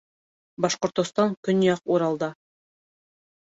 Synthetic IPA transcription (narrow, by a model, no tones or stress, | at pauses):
bɑʃqŏɾt̪ŏst̪ɑŋkɵnjɑquɾɑlˠd̪ɑ